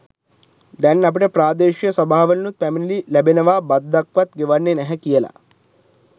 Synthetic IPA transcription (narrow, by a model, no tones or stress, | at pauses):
d̪ɐnːɐp̬uʈɐpɾaːd̪eːʃijɐsɐbʱaːʋɐlɐnuɛminililɐbinɐʋaːbɐd̪ːɐkʋɐt̪ɡiʋɐɾːinɛɦɐkiːjɐlɐ̰